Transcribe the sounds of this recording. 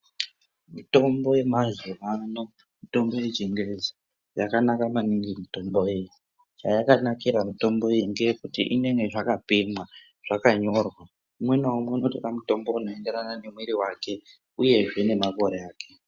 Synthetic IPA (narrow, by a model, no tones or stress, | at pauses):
mito̞mbo̞je̞mazeʋano̞ | mito̞mbo̞jed͡ʒiŋɡezi | jakanakamaniŋɡimito̞mbo̞eji | t͡ʃajakanakiɾamito̞mbo̞jeŋɡekutḭʔine̞ŋɡeʐakapimwa | ʐ̥akaɲo̞rwa | umwenaumwe̞unotoramuto̞mbo̞uno̞e̞nde̞ɾanane̞mwiɾiwake̞ | uje̞ʐe̞ne̞mako̞ɾeaːke̞